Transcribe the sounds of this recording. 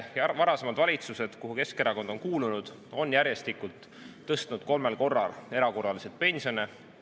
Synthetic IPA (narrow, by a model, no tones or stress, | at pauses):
jvɑɾɑse̞mɑd̪̥vɑlʲit̪suse̞d̪̥kuɦuke̞ske̞ɾɑko̞nd̪̥o̞nkuːlunud̪̥ | o̞njæɾje̞st̪ikult̪ː | ɤst̪nud̪̥ko̞lme̞lko̞rːɑ̰le̞ɾɑko̞rːɑlise̞t̪̚pe̞nʲsio̞ne